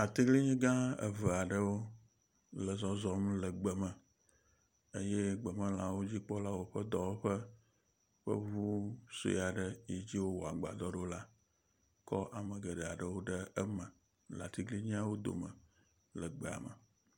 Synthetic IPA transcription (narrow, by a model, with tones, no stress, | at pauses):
a˨t̪i˦ɡli˦ɲĩ˦ɡã˦ə̰˨və˨a˨ɖə˦wo˦ | lə˨zɔ˨zɔ˨m˦lə˨ɡ͡bə˨mə̃˨ | e˦jɛ˦ɡ͡bə˨mə̃˦lã˨wo˦d͡ʑi˦k͡pɔ˦la˦wo˨ɸə˦d̪ɔ˨wo˦ɸə˦ | ɸə̰˦βu˦so̰˨ja˨ɖə˦ji˦d͡ʑi˦wo˦wo˨a˨ɡ͡ba̰˨d̪ɔ˦ɖo˦la˦ | kɔ˦ʔa˨mə˨ɡə˨ɖɛ˨a˨ɖə˨wo˦ɖə˦ə˦mə̃˨ | la̰˨t̪i˦ɡli˦ɲĩ˦a˦wo˦d̪o̰˨mə̰˨ | lə˨ɡ͡be˨a̰˨mə̰˨